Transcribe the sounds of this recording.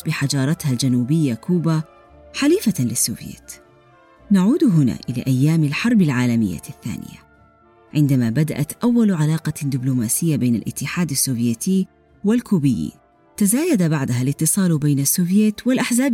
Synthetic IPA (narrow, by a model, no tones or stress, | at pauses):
bɪħad͡ʒɑːɾˤɑt̪hald͡ʒanuːbɪjːakuːba | ħaliːfalɪsːṵːvjḛːt̪ | naʕuːd̪ɦʊna̰ːʔɪla̰ːʔajːaːmɪlħɑɾˤbɪlʕaːlamɪjːa̰θːa̰ːnɪ̰ja̰ | ʕɪnd̪amabad̪a̰ʔat̪ʔawːalʕalɑːqɑd̪ɪblumaːsɪjːabeːna̰lʔɪ̰t̪ːɪħaːd̪asːuːvjeːt̪iː | wɪlkuːbɪjːḭːn | t̪azaːjad̪abaʕd̪aɦalɪt̪ːɨsˤɑːlbeːnasːuːvjeːt̪wɪlʔaħzaːb